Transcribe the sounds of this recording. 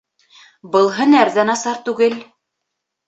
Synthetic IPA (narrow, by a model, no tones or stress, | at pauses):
bɤ̆lˠɦɤnæɾðænɑsɑɾt̪ʉɡɘl